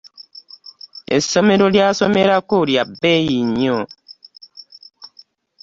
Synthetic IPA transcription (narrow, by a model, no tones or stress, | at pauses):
ḛsɔmeɾoljasɔmeɾakoɾjabejiɲɔ